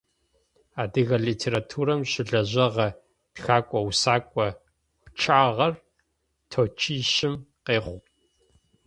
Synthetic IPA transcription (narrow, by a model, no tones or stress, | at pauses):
aːdɨɣɐɮiːtʰeːɾatʰuːɾɐmɕɪɮɐʑɐʁɐ | txaːkʷʼɔwsaːkʷʼɔ | pt͡ʃʰaːʁɐr | tʰoːt͡ʃʰiːʃɪmqeːχʷ